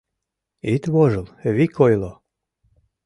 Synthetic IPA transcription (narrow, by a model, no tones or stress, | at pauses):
it̪βoʒəlˠβikʰojlo